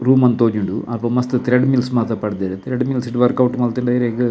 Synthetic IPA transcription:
ɾuːmɐnt̪oːɲuɳɖuʔɐpːɐmɐst̪ɨt̪ɾeɖmilsmɐːt̪ɐpɐɽid̪ɐːɾet̪ɾeɖmilsiʈʋɐɾkɐwʈːmɐlt̪ːiɳɖaːjiɾeɡɨ

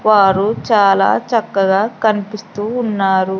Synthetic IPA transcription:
ʋaːɾut͡ʃaːla̰ːt͡ʃɐkːɐɡaːkɐnipist̪uːnːaːɾu

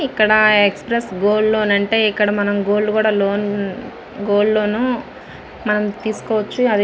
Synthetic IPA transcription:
ikːɐɽɐekspɾesɡoːlːo̞ːnɐɳʈe̞ːikːɐɽɐmɐnɐmɡoːllːukuːɽaːloːn | ɡoːlːo̞ːnu | mɐnɐmt̪iːsu̥kɔːʋɐt͡ʃːuɐd̪

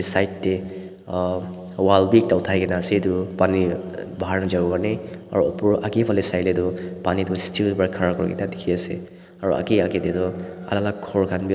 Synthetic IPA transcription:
sajtːe | walbik̚tawtʰajɡenasedupanibaɦaɾnad͡ʒaɡɡanea̰ɾuɔpuɾʔakepʰalesajledupanidustilbaɾkʰaɾakʰɔɾɡḭtadikʰiasḛ | aɾua̰keaketedɔa̰lalakʰɔɹkʰanbi

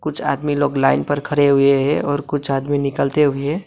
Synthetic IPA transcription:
kʊt͡ʃʰa̰ːd̪miloːɡlaːɪnpəɾkʰəɽeɦʊeɦɛɔːɾkʊt͡ʃʰaːd̪minɪkəlt̪eɦʊe

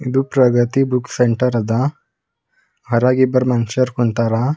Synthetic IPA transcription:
id̪upɾɐɡɐt̪ibukseɳʈɐɾɐd̪ɐ | ɦɐɾaːɡibɐɾmɐnʃɐɾkuɳt̪aɾa

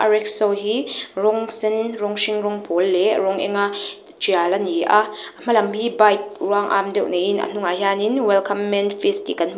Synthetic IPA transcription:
ʔɐɾɛk̚sɔwɦirɔŋsinɾɔŋʃiŋɾɔŋpʰolːɛɾɔŋʔɛ̰ŋa | t͡ʃialɐniʔam̥ɐlɐmhibajt̚ɾwaŋʔa̰mdɛwʔnejinɐ̰n̥uŋaɦaninwɛlkʰɐmːɛnfʰistḭkɐn

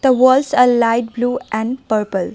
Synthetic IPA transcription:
d̪̥əʋəːlsaːɾlaɪʈ̚bluːʔɛ̃ɳɖpəɾpəl

